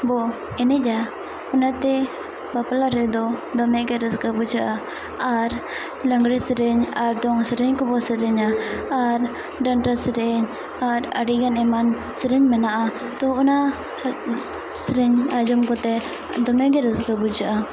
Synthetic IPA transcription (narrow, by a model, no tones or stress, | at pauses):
bɔ | ɛnɛd͡ʒa | ɔnat̪ɛ | bapalaɾɛd̪ɔd̪ɔmɛɡɛɾəskabud͡ʒaʔa | aɾ | laŋɡɾɛsəɾɛɲaɾd̪ɔŋsəɾɛɲkɔbɔsəɾɛɲaːɾ | ɖanɾasəɾɛɲ | aɾa̰ɾiɡanɛman | səɾɛɲmənaʔat̪ɔɔna | səɾɛɲad͡ʒɔmkɔt̪ɛ | d̪ɔmɛɡɛɾəskabud͡ʒaʔa